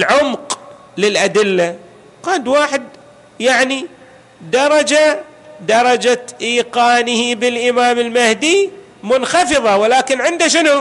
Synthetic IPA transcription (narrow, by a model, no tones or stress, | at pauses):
ʕʊmq | lɪlʔad̪ɪlːa | qaːnd̪waːħɪd̪̚ | jaʕni | d̪ɑɾˤɑd͡ʒa | d̪ɑɾˤɑd͡ʒaʔiːqɑːnɪhibɪlʔɪmaːmɪlmahd̪i | mʊnxɑfɨðˤɑwɪlaːkɪnʕɪnd̪aʃ̬ɪnu